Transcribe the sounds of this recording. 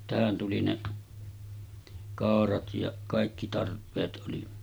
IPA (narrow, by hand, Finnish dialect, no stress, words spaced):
tæhæn tuli ne kɑˑorɑt jɑ kɑˑikːi tɑrpˑeːt ʔoli